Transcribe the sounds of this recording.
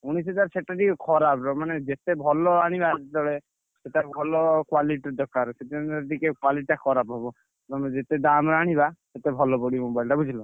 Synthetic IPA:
uɽ̃ised͡ʒaɾseʈaʈikɛkʰɔɾapɾɔmaned͡ʒet̪ebʱɔlɔɾaɽ̃ibad̪ɔɭe | seʈabʱɔlɔkwaliʈid̪ɔkaɾset̪eaʈikekwaliʈakʰɔɾapɦɔbɔ | ɾɔmaned͡ʒet̪ed̪amɾaɽ̃ibaset̪ebʱɔlɔpɔɽimobajlʈabud͡ʒʱilɔ

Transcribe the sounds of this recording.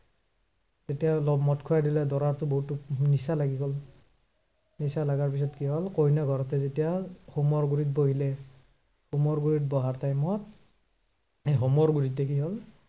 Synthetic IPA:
z̥etijalɔbmɔtkʰʊjadilɛdɔɹaɹtʊboɦutunisalaɡiɡɔl | nisalaɡaɹpis̬ɔtkiɦɔlkojnaɡʱɔɹɔtɛzetijaxumɔɹɡuɹit̚boɦilɛ | xumɔɹɡuɹitbɔɦaɹtajmɔt | ejɦɔmɔɹɡuɹitɛkiɦɔl

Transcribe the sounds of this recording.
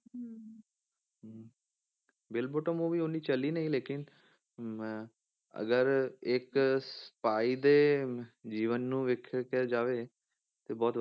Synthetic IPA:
bɪlboːʈəmoːʋiːoniːt͡ʃəliːnəĩːleːkɪn | ə̰ɡəɾɪksə̥paːiːd̪eːd͡ʒiːʋənːũːʋɪkʰkːd͡ʒaːʋeː | t̪eːbɔːt̪

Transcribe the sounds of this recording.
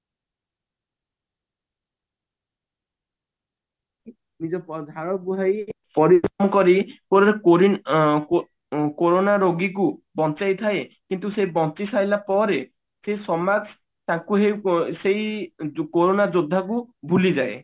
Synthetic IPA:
nid͡ʒɔpɔd̪ʱaɭɔbuɦajpɔɾiɔmɔkɔɾipɔɾɔɾeɾi | koɾonaɾoɡikubɔnt͡ʃajt̪ʰaekint̪usejbɔnt͡ʃisajlapɔɾe | sesɔmad͡ʒ | t̪akuɦewsejkoɾonad͡ʒod̪ʱːakubʱulid͡ʒae

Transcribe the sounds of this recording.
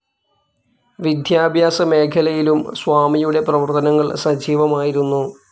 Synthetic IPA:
ʋid̪ʱjaːbʱjaːsɐme̞ːkʰɐlɐjilumswaːmijuɽe̞prɐʋɐrt̪ɐnɐŋːɐɭsɐd͡ʑʱiːʋɐmaːjiɾunːu

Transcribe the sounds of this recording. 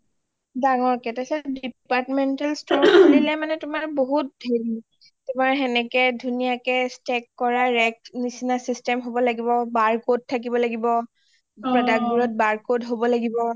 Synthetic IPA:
daŋɔɹkɛtɛsɛdipatmɛntalstɹɔolilɛmanɛtʊmaɹboɦut̚dʱeɹi | tʊmaɹɦɛnɛkɛdʱunijakɛstɛkːɔɹaɹɛk̚nisinasistɛmɦobɔlaɡibɔbaɹkod̚tʰːak̬ibɔlaɡibɔ | apɹadak̚buɹɔt̚baɹkodɦobɔlaɡibɔ

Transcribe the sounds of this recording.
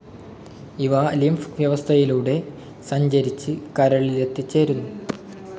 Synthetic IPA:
iʋɐlimfʋjɐʋɐst̪ʰɐjiluːɽe̞ | sɐɲd͡ʑɐɾit͡ɕːɨkɐɾɐɭijet̪ːit͡ɕːe̞ːɾunːu

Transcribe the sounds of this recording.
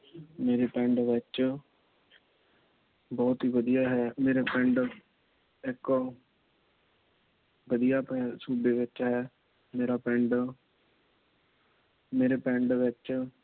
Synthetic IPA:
meːɾeːpɛ̃ɳɖʋɪt͡ʃ | bɔːt̪ɦiːʋəd̪ijaːɦɛːmeːɾeːpɛ̃ɳɖ | ɪk | ʋəd̪ijaːpɛsuːbeːʋɪt͡ʃɦɛː | meːɾaːpɛ̃ɳɖ | meːɾeːpɛ̃ɳɖʋɪt͡ʃ

